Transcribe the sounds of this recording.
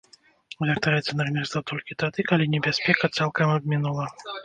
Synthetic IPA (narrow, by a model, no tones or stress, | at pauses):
ɣʲɛrt̪aɾɛt̪sʲɐnarmʲɛst̪vɐt̪ɔlʲkʲit̪ad̪ɨkalʲinʲɛbʲaspʲɛkɐt̪salˠkɐmɐbʲmʲinulˠɐ